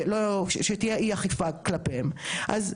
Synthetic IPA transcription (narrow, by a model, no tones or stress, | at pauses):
loʃet̪ijeʔiaχifaklapemʔaz